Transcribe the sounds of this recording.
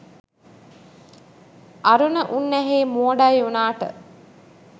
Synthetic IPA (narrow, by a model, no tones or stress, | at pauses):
ʔaɾunəʔunːæɦeːmuəɖajunaːʈə̰